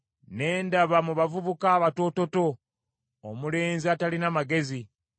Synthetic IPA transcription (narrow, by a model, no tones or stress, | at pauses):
ne̞ːndaβamuβavuβukaːβato̞to̞to̞ | omule̞ːnziatalinamaɡe̞zi